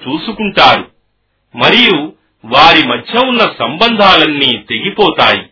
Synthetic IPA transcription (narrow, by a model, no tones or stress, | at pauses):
t͡ʃuːsukuɳʈaːɾu | mɐɾiju | ʋaːɾimɐdʱjɐunːɐsɐmbɐnd̪ʱaːlɐnːiːt̪e̞ɡipɔːt̪aːji